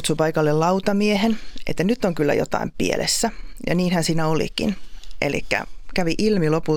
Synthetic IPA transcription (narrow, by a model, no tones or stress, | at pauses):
t̪supɑikɑlːellɑut̪ɑmiehenʔḛt̪ːænyt̪ːoŋkylːæ̰jo̰t̪ɑ̰impḭḛlʔḛsːæjɑ̰niːnhænsiːnæolḭkḭnʔḛlḭkːæ̰kæʋiʔilmilopul